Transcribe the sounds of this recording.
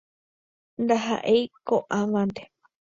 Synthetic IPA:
nd̪aɦa̰ʔejkoʔãʋãnt̪e

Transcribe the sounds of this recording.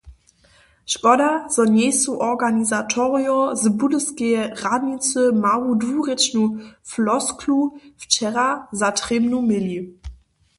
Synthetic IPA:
ʃpɔdazɔnɛsuʔɔʁɡanizatʰɔʁiɔzəbudəskeəʁadnit͡səmaʁudvuːʁet͡ʃnuflɔskʰluft͡ʃɛʁazatʁ̥emnumɪli

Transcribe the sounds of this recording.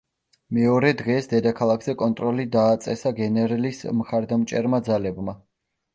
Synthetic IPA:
mɛɔɾɛd̪ʁɛsd̪ɛd̪akʰalˠakʰz̥ɛkʼɔnt̪ʼɾɔlid̪aːt̪sʼɛsaɡɛnɛɾɛlismχaɾd̪amt͡ʃʼɛɾmad̪zalɛbma

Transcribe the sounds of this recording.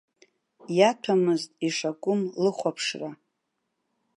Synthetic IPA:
jatʷʰamɨztʼiʂakʷʼʊmlɨχʷapʰʂra

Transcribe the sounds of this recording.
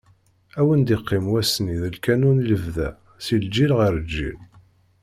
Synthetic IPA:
æwənd̪iqːɪmwæsniðəlkænunləvðæ̰ | sild͡ʒːilʁəɾd͡ʒːḭl

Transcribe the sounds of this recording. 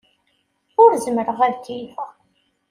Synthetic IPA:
ʊɾzmɾəʁæðt̪ːifæ

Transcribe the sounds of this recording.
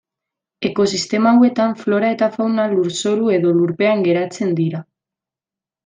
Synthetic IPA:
e̞ko̞sist̪e̞maːwe̞t̪aɱflo̞ɾae̞t̪afawnaluɾso̞ɾue̞ðo̞luɾpe̞aŋɡe̞ɾat͡se̞nd̪iɾa

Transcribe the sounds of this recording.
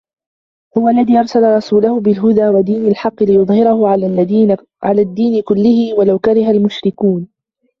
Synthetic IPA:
hʊwaʔlːaðiːʔɑɾˤsalɾˤɑsuːlahʊbɪlɦʊd̪aːwad̪iːnalħɑqːɨlɪjʊðˤhɪɾɑhʊ | ʕalaːd̪ːiːnɪkʊlːɪhɪwalawkaɾɪɦalmʊʃɾɪkuːn

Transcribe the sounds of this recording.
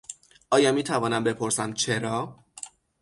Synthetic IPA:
ʔɒːjɒːmiːt̪ʰævɒːnæmbe̞pʰo̞ɾsæmt͡ʃʰe̞ɾɒː

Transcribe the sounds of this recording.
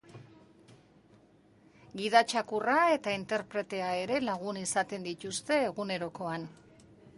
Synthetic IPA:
ɡiðat͡ʃakurae̞t̪aint̪e̞ɾpɾe̞t̪e̞ae̞ɾe̞laɣ̞unisat̪e̞nd̪it̪ust̪e̞ːɣune̞ɾo̞ko̞an

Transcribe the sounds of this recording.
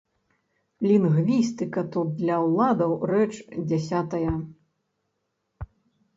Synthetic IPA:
lʲinɣvʲist̪ɨkɐt̪ut̪̚d̪lʲɐwlˠad̪ɐwrɛt͡ʂd͡zʲasʲat̪ɐjɐ

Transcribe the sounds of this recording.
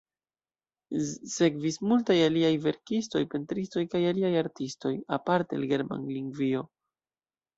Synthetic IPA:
se̞kvismultajaliajve̞ɾkisto̞jpe̞ntɾisto̞jkajaliajaɾtisto̞japaɾtea̰lɡe̞ɾma̰nliŋɡvio̞

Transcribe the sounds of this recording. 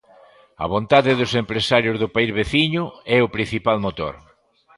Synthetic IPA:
ɐ̰βont̪aðɪðʊsempɾesaɾjʊzðʊpaizβeθiɲʊɛʊpɾin̟θipalmot̪o̰ɾ

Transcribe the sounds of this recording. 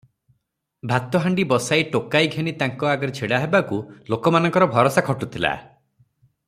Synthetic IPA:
bʱat̪ɔɦaɳɖibɔsajʈokajɡʱenit̪aŋkɔaɡɔɾet͡ʃʰeɽaɦebakulokɔmanɔ̃ŋkɔɾɔbʱɔɾɔsakʰɔʈut̪ʰila̰

